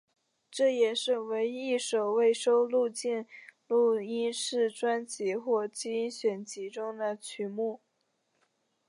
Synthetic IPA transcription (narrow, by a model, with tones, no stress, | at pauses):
ʈ͡ʂɤ˥˩jɛ˨˩ʂɻ̩˥˩we˧˥ɪi˥˩ʂo˨˩ʊwe˥˩ɪʂo˥ʊlu˥˧t͡ɕi˥˧nlu˥˩i˥nʂɻ̩˥˩ʈ͡ʂwa˥nt͡ɕi˧˥xwɔ˥˩t͡ɕi˥nɕɥɛ˨˩nt͡ɕi˧˥ʈ͡ʂʊ˥ŋd̪ə˨t͡ɕʰy˧˥mu˥˩